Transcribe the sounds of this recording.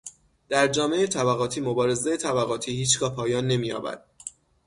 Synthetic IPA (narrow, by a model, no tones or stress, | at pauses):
d̪̥æɾd͡ʒɒːme̞et̪ʰæbæɣɒːt̪ʰiːmobɒːɾe̞zejet̪ʰæbæɣɒːt̪ʰiːhiːt͡ʃɡɒːhpʰɒːjɒːnːe̞miːjɒ̰ːbæ̰d̪̥̚